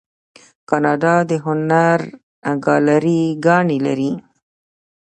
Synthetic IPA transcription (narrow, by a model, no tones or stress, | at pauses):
kɑnɑɖɑd̪əɦʊnaɾ | aɡɑlaɾiɡɑɳila̰ɾi